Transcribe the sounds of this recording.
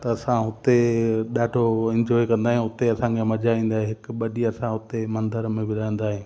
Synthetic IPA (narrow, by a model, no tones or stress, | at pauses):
t̪ɐɐsãɦʊt̪eɗaːʈʰoɪ̃ɲd͡ʒɔːikɐ̃nd̪aːɦẽɦʊt̪eɐsãkʰemɐd͡ʑaʋĩːn̆d̪aːɦeɦɪkɓɐɗiɐsãɦʊt̪emɐ̃nd̪əɾmẽbɪɾaə̃nd̪aːɦeː